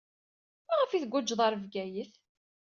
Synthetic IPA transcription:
mæʁəfiθɡʷʊd͡ʒðˤɑɾəvɡæjəθ

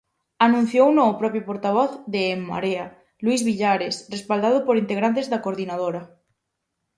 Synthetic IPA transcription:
anũn̟θjownõːpɾɔpjopoɾt̪aβ̞ɔθðeːmːa̰ɾea | lwuizβiʎaɾesrespald̪að̞ʊpoɾint̪eɣɾant̪ezðakoɾðinað̞oɾa

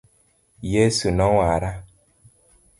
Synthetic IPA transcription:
jesunɔwaɾa

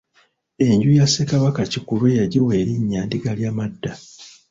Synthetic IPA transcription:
e̞ɲɟujasekaβakacikulwejaɟiweːɾiɲːaːndiɡaljamadːa

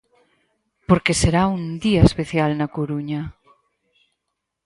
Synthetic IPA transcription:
poɾkeseɾaũnd̪iaespeθjalnakoɾuɲa

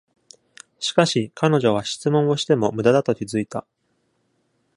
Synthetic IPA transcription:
ɕi̥kaɕikʰano̞ʑo̞β̞aɕi̥t͡sɨmõ̞o̞ɕi̥t̪e̞mo̞mɯ̟d̪ad̪at̪o̞kʲizɨit̪a

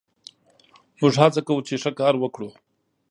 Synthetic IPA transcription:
mʊʐhat͡sakawut͡ʃeʂəkɑɾwəkɽu

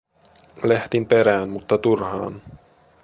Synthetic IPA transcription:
leht̪impe̞ɾæːnmut̪ːɑt̪urhɑ̰ːn

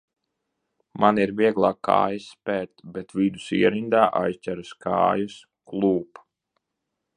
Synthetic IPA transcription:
maniɾviɛɡlˠaːkʰːa̰ːjaspɛɾt̪bɛt̪vid̪usiɛɾind̪aːʔa̰jst͡ʃʲæɾuska̰ːjus | klˠuːp

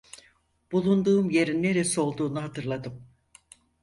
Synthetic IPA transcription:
b̥ulˠund̪uːmje̞ɾinːe̞ɾeso̞lˠd̪uːnuɦat̪ʰɯɾlˠad̪ɯm

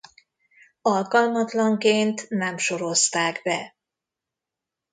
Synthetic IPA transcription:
ɒlkɒlmɒt̪lɒŋkeːnt̪nɛmʃo̞ɾo̞st̪aːɡbɛ̰

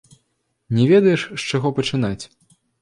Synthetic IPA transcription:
nʲɛvʲɛd̪ɐjɛʂːt͡ʂaɣɔpɐt͡ʂɨn̪at͡sʲ

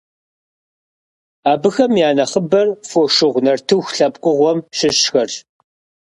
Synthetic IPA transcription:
aːbɨxɐmjaːnɐχəbɐrfoʂɪʁʷnɐrtʰɨwxɬɐpqʷʼʊʁʷɔmɕɪɕxɐr

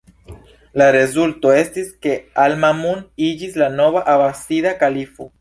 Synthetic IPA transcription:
laɾe̞zulto̞e̞stiske̞almamunid͡ʒislano̞vaʔabasidakalifo̞

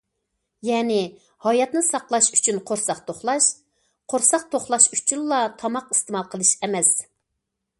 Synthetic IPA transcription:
jɛːnɪ | hɑjɑt̪nɨsɑqlˠɑʃy̥t͡ʃʰynqʰoɾsɑqt̪ʰoχlˠɑʃ | qʰoɾsɑq̚t̪ʰoχlˠɑʃyt͡ʃʰynlˠɑt̪ʰɑmɑqɨ̥st̪əmɑlˠqʰəlˠɨʃɛmɛs

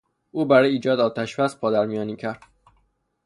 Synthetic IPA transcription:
ʔuːbæɾɒːjiːd͡ʒɒːd̪ɒːt̪ʰæʃbæspʰɒːd̪æɾmijɒːniːcʰæɾd̪̥

